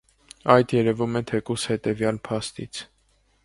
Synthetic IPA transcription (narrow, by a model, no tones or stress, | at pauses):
ɑjd̪jɛɾɛvumɛt̪ʰɛkushɛt̪ɛvjɑlpʰɑst̪it͡sʰ